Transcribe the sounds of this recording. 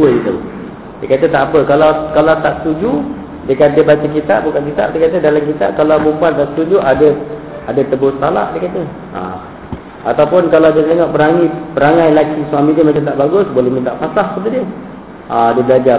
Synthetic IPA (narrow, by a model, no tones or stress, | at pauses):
uədit̪au | dəkat̪ət̪aʔapəkalawkalawt̪aʔsə̥t̪ud͡ʒu | dəkandiəbat͡ʃək̬it̪a̰ʔbukankit̪a̰ʔdəkat̪ədalamk̬it̪a̰ʔkalawbumpuant̪aʔst̪ud͡ʒuʔadə | adət̪əbʊsət̪ala̰ʔdəkat̪ə | a̰ | a̰t̪awpʊnkaladiət̪eŋɔʔpəɾaŋipəɾaŋajlakisuamidimat͡ʃat̪aʔbaɡʊsbolɛhmĩnt̪aʔmasahkət̪̬udiə | adiəblad͡ʒa